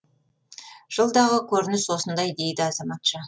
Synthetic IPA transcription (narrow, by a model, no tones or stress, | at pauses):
ʒ̥əlˠd̪ɑʁəkʲʰɵɾɪnɪswo̞sənd̪ɑjd̪e̞jd̪ɪɑzɑmɑt̪ʃə